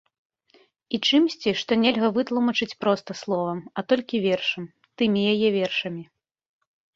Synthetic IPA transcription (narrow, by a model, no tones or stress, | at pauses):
it͡ʂɨmsʲt͡sʲiʂt̪ɔnʲɛlʲɣɐvɨt̪lˠumɐt͡ʂɨt͡sʲpɾɔst̪ɐslˠɔvɐmɐt̪ɔlʲkʲivʲɛrʂɐm | t̪ɨmʲijajɛvʲɛrʂɐmʲi